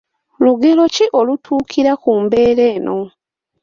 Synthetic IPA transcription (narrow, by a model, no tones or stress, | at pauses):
luɡe̞lo̞ciʔolutʰuːkʰiɾakuːmbe̞ːɾe̞ːnʔo̞